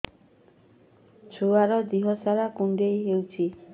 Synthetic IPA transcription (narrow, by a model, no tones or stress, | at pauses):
t͡ʃʰuaɾɔd̪iɦɔsaɾakuɳɖejɦewt͡ʃʰi